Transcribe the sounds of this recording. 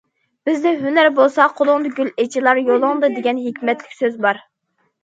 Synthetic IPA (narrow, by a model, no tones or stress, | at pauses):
b̥ɪzd̪ɪɦynæɾbolˠsɑqʰolˠʊŋd̪ɨɡʲylet͡ʃʰilˠɑɾjolˠʊŋd̪ɨd̪eɡʲɛnɦekʲmɛt̪lɪ̥kʲsøzbɑɾ